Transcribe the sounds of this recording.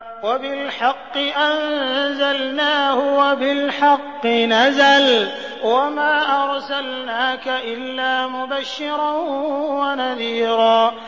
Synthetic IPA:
wabɪlħɑqːɨʔanzalnaːhʊwabɪlħɑqːɨnazal | wamaːʔɑɾˤsalnaːkaʔɪlːaːmʊbaʃːɪɾˤɑnwanaðiːɾaː

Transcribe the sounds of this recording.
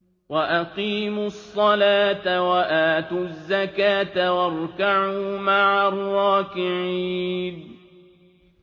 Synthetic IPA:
waʔaqiːmʊsˤːɑlaːt̪awaʔaːt̪uzːakaːt̪awɑɾˤkaʕuːmaʕarˤːɑːkɪʕiːn

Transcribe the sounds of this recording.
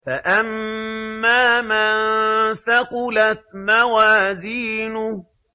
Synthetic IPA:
faʔamː | aːmannθaqʊlat̪mawaːziːnʊh

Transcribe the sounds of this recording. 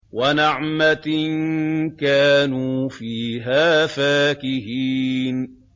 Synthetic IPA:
wanaʕmat̪nkaːnuːfiːɦaːfaːkɪɦiːn

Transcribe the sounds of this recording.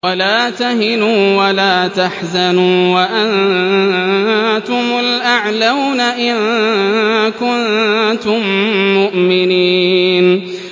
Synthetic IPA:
walaːt̪aɦɪnuːwalaːt̪aħzanuːwaʔan | t̪ʊmʊlʔaʕlawnaʔɪn | kʊnt̪ʊmːʊʔmɪniːn

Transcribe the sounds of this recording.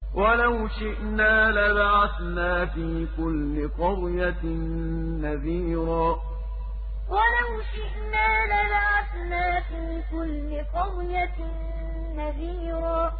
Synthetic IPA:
wʔalawʃɪʔnaːlabaʕaθnaːfiːkʊlːɪqɑðˤjaː | aðiːɾaː | wʔalawʃɪʔnaːlabaʕaθnaːfiːkʊlːɪqɑðˤjaː | aðiːɾaː

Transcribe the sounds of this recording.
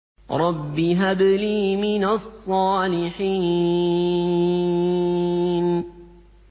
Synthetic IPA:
ɾˤɑbːiɦad̪liːmɪnasˤːɑːlɪħiː | n

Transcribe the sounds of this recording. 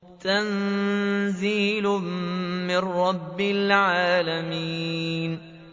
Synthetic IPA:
t̪an | ziːlʊmɪnːɑbːɪlʕaːlamiːn

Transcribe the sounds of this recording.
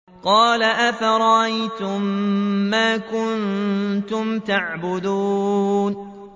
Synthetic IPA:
qɑːlaʔafaɾˤɑʔajt̪ʊmːaːkʊnt̪ʊmt̪aʕbʊd̪uːn

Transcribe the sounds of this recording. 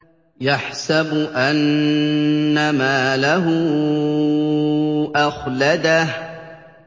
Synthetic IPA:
jaħsabʊʔanː | amaːlaɦʊ | ʔaxlad̪ah

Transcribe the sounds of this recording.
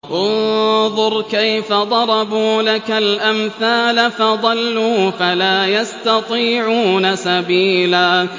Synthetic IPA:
ʔʊnðˤʊɾˤkajfad̪ˤɑɾˤɑbuːlakalʔamθaːlafɑd̪ˤɑlːuːfalaːjast̪ɑt̪ˤiːʕuːnasabiːlaː

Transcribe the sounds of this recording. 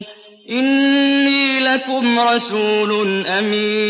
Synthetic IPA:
ʔɪnːiːlakʊmɾˤɑsuːlʊnʔamiː

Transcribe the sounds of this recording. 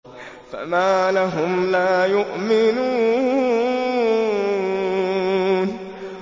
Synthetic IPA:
fa̰maːlaɦʊmlaːjʊʔmɪnuː | n

